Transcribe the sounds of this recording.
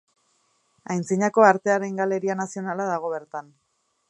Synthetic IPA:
ajnt͡siɲako̞aɾt̪e̞aɾe̞ŋɡale̞ɾianasio̞nalaðaɣ̞o̞βe̞ɾt̪an

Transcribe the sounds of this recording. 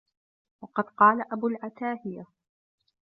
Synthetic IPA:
wɑqɑd̪qɑːlaʔabuːlʕat̪aːhɪja

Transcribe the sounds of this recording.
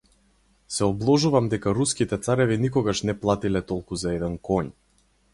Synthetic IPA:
sɛɔblˠɔʒuvamd̪ɛkaɾuskit̪ɛt̪saɾɛvinikɔɡaʃnɛplˠat̪ilɛt̪ɔlˠkuzaɛd̪ɛnkɔɲ

